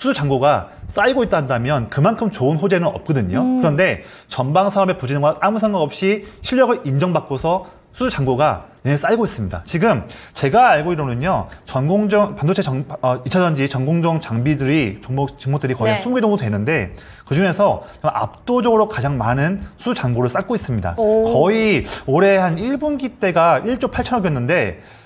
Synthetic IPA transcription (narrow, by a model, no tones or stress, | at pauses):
sʰuut͡ɕaŋɡoɡas͈aiɡoit̚t͈andamjʌnkɯmankʰɯmt͡ɕoɯnɸod͡ʑe̞nɯnʌ̰p̚k͈ʌdɯɲokɯɾʌnde̞ | t͡ɕʌnbaŋsʰaʌme̞pud͡ʑinɯnɡwaamusʰaŋɡaʌp̚ɕ͈iɕʰiʎjʌɡɯɾind͡ʑʌŋbak͈osʰʌ | sʰuut͡ɕaŋɡoɡane̞s͈aiɡois͈ɯmɲida̰t͡ɕiɡɯmt͡ɕe̞ɡaaɭɡoiɾʌnɯɲʌt͡ɕʌnɡoŋd͡ʑʌŋpandot͡ɕʰet͡ɕʌŋʌit͡ɕʰad͡ʑʌnd͡ʑit͡ɕʌnɡoŋd͡ʑʌŋt͡ɕaŋbidɯɾit͡ɕʌŋbot͡ɕɯŋmotɯɾikʌiansʰumɡedoŋdotwenɯnde̞ | kɯd͡ʑuŋe̞sʰʌt͡ɕʌmʔa̰p̚t͈od͡ʑʌɡɯɾokad͡ʑaŋmanɯnsʰut͡ɕaŋɡoɾɯɭs͈ak͈ois͈ɯmɲida̰kʌioɾe̞haniɭbunɡit͈e̞ɡaiɭt͡ɕ͈opʰaɭt͡ɕʰʌnʌɡjʌnːɯnde̞